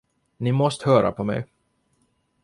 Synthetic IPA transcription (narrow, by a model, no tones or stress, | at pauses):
nɪmɔst̪hœːɾa̰pʰɔmɛ̰j